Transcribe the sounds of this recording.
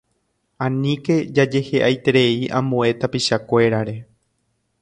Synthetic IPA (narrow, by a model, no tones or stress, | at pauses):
ãnĩke̞d͡ʒad͡ʒe̞he̞ʔajt̪e̞ɾe̞iʔã̰mõe̞t̪apiʃakʷe̞ɾaɾe̞